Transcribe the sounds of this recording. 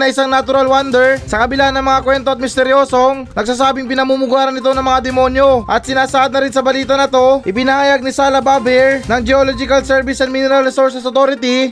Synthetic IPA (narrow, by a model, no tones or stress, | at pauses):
nɐʔɪsaŋnɐt̪ʊɾalwand̪ɛɹsɐkɐbɪlanɐŋmɐŋakwɛnt̪oɐt̪̚mɪst̪ɛɾjo̞ːso̞ŋnɐɡsaːsaːbɪŋpɪnɐmuːmʊɡaːɾɐnɪt̪o̞nɐŋmɐŋad̪ɛmo̞njo̞ʔɐt̪sɪnaːsɐʔad̪̚nɐɾɪnsɐbɐliːt̪ɐnɐt̪o̞ʔɪpɪnɐhaːjaɡ̚nɪsaːlɐbaːbɪɹnɐŋd͡ʒɛolod͡ʒɪkɐlsɛɹvɪsɐnminɛɾɐlɾɛsoɹsɛsot̪oːɾɪt̪i